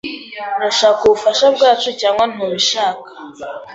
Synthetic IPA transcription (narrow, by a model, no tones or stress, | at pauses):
daʃaːkuβufaʃabɡaːt͡ʃucaːŋɡan̥huβiʃaːkḁ